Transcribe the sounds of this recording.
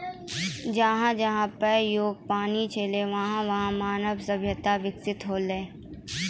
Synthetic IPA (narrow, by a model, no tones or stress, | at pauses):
d͡ʒɐɦãd͡ʒɐɦãpəɾjoːɡ̚paːnit͡ʃʰeːleʋɐɦãʋɐɦãmaːnəʋsɐbʱjət̪aʋɪksɪt̪ɦoːlẽː